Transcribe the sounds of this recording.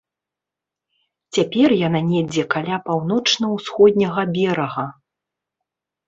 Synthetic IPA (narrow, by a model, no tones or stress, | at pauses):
t͡sʲapʲɛrjananʲɛd͡zʲɛkalʲapawnɔt͡ʂnɐwsxɔd̪ʲnʲɐɣɐbʲɛɾɐɣɐ